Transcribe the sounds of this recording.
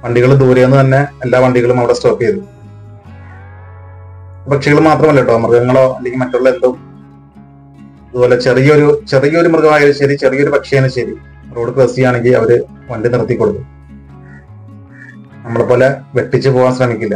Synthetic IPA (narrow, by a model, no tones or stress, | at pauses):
ʋɐɳɖiɣɐɭd̪uːɾeːnːut̪ɐnːe̞ːlːaːʋɐɳɖiɣɐɭumɐʋiɽestoːkːijɐðɨ | upɐkʂɐɣɐɭmaːt̪rɐmɐlːɐʈːo̞ːmɨrɡɐŋːɐɭo̞ːɐ̰lːeŋɡʲilmɐtːuɭːɐend̪um | ɐðupoːlet͡ɕe̞rijɐoɾut͡ɕe̞rijɐoɾumrɡɐʋaːjɐɾɐɕɐɾit͡ɕe̞rijɐo̞ɾupɐkʂɐjaːnɨɕɐɾi | roːɽɨkresijaːɳe̞ŋɡilɐ̰ʋɐɾɨ | ʋɐɳɖinirɐt̪ːikʲːoɽukːu | nɐmːɐɭepo̞ːle̞ʋe̞ʈːit͡ɕːɨpo̞ːʋaːnsrɐmikʲːilːɐ